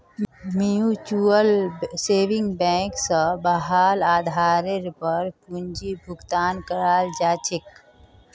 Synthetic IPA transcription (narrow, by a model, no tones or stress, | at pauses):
mjuːt͡ʃuəlseːʋɪ̃ŋɡbɛ̃ːksəbɐɦaːlaːd̪ʱaːɾeɾpəɾkʊ̃ɲd͡ʒibʱʊɡt̪aːnkəɾaːld͡ʒaːt͡ʃɪk